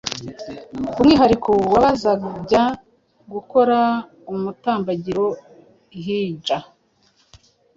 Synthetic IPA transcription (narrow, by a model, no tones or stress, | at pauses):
umŋiːɦaɾikʰowaβazaɟa | ɡuko̞ɾa | umutaːmbaɟiɾo̞ | ɦiːd͡ʒa